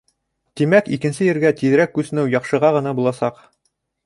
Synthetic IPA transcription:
t̪imækikɘ̆nsɘjɘ̆ɾɡæt̪iðɘ̆ɾækːʉsɘ̆nɘwjɑqʃɤ̆ʁɑʁɤ̆nɑbulˠɑsɑq

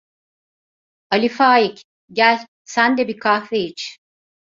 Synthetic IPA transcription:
alʲifaːjic | ɟælʲ | sænd̪ɛbikʰahvejit͡ʃ

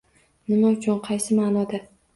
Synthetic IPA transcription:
nɪmaʊt͡ʃʰʊnqʰɑjsɪmanɒd̪a

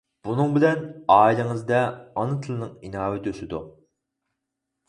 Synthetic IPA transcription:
b̥unɨŋbɪlɛnɑːilɪŋɨzd̪ɛɑnɨt̪ʰɨlˠɨnɨŋinɑːwɪd̪ʰøsɪd̪ṵ

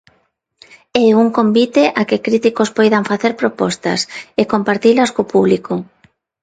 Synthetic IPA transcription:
ɛuŋkombit̪eʔakɪkɾit̪ikospojðaɱfaθeɾpɾopɔst̪a̰sekompaɾt̪ilɐskopuβliko

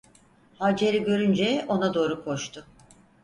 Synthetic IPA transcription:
had͡ʒeɾiɟø̞ɾynd͡ʒɛo̞nad̪o̞ːɾukʰo̞ʃt̪ʰʊ

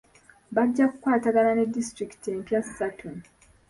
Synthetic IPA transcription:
βaɟːakukwaːtaɡalane̞dːistɾiki̥tie̞ːmpjassatʰu

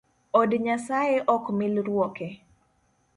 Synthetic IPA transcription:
ɔdɲasajeʔɔkmɪlɾwɔke

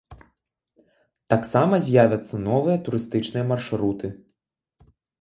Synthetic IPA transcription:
t̪aksamɐzʲjavʲɐt̪sːɐnɔvɨjɐt̪uɾɨst̪ɨt͡ʂnɨjɐmarʂɾut̪ɨ

